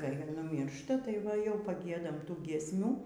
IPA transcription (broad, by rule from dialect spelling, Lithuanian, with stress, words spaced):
kɐɪ nʊˈmʲiːrʃtɐ tɐɪ ˈʋɐ jɛʊ pɐˈɡʲiɛdɐm ˈtuː ɡʲiɛsʲˈmʲuː